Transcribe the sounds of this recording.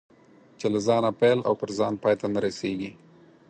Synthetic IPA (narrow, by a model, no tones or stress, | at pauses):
t͡ʃelazɑnapela̰wpəɾzɑnpɑːjt̪anaɾaseɡi